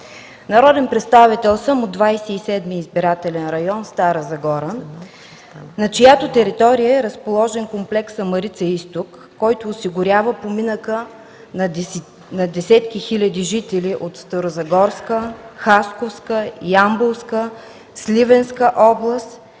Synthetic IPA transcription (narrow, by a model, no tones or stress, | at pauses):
nɐɾɔd̪ɛnpɾɛt̪st̪avit̪ɛlˠsəmod̪vajsɛisɛd̪miːzbiɾat̪ɛlɛnɾɐjɔnst̪aɾəzɐɡɔɾə | nɐt͡ʃɪjat̪ot̪ɛɾit̪ɔɾijəɛɾəspolˠɔʒɛnkomplɛksɐmɐɾit̪səist̪okːɔjt̪oːsiɡʊɾʲavəpominəkə | n | nɐd̪ɛsɛt̪kixilʲɐd̪iʒit̪ɛliʔot̪st̪əɾozɐɡɔɾskəxaskofskəjambofskə | slʲivɛnskəʔɔblˠəst̪